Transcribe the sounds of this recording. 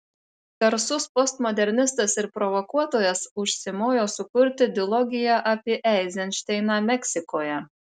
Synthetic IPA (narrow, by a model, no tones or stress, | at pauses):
kɐɾsʊspɔst̪mɔd̪ʲɛɾʲnʲɪst̪ɐsɪɾpɾɔʋɔkuɔt̪oːjɛsʊʃʲsʲɪmoːjoːsʊkʊɾʲt̪ʲɪd̪ʲɪlˠɔɡʲɪjæʔɑːpʲiɛʔɛˑɪzʲɛnʲʃʲt̪ʲɛɪnɑːmʲɛkʲsʲɪkoːjɛ